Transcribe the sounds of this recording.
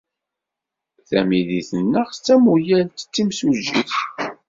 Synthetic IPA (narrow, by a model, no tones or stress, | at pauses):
θæmiðiθənːəʁst͡sːæmujæltːə̥t͡sːimsuʒiθ